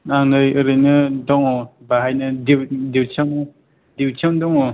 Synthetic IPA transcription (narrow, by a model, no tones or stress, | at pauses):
naŋdɯjɯɾɯjnɯdɔŋɔbaɦajnɯdiwdiwt͡ʃʰawn | diwt͡ʃʰawndɔŋɔ